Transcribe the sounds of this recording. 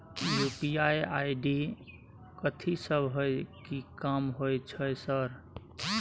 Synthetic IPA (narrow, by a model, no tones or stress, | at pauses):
jupiajajɖi | kət̪ʰisəbʱɦojkikamɦojt͡ʃʰəjsəɾ